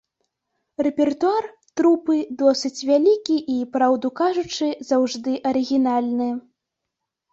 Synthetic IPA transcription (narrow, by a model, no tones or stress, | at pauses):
rɛpʲɛrt̪uar | t̪ɾupɨd̪ɔsɨt͡sʲvʲalʲikʲiʔipɾawd̪ukaʐut͡ʂɨzawʐd̪ɨʔɐɾɨɣʲinalʲnɨ